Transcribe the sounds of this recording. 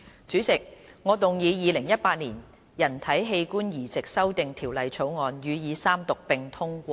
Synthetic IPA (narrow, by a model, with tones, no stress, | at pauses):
t͡ʃyː˨˥t͡sɪ˨k̚ŋɔː˨˧t̪ʊ˨˩ŋjiː˨˧jiː˨˧lɪ˨˩ŋjɐ˥t̚paː˧t̚niː˨˩n | jɐ˨˩nt̪ʰɐ˨˥jɦe˧jkuː˥njiː˨˩t͡sɪ˨k̚sɐ˥wt̪ɪ˨ŋt̪ʰiː˨˩wlɐ˨˧jt͡sʰo˨˥wŋɔː˨˧njyː˨˧jiː˨˧saː˥mt̪ʊ˨k̚pɪ˨ŋt̪ʰʊ˥ŋkʷɔː˧